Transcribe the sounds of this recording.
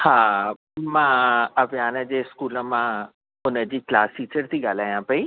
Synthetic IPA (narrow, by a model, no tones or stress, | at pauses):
haː | mãːɐʋjaːnəd͡ʑeːskuːlə̆mã | ʊnəd͡ʑiːklaːsʈiːt͡ɕəɾt̪ʰiɠaːl̤aːjãpɐiː